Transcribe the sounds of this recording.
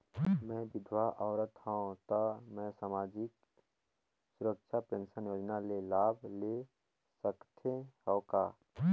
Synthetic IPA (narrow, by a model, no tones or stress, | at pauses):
mɛ̃ːbɪd̪ʱwaʔɔːɾət̪hãõt̪amɛ̃saːmaːd͡ʒɪk | sʊɾəkʃʰapẽːnʃənjoːd͡ʒnalelaːble | səkt̪ʰẽɦɔːkaː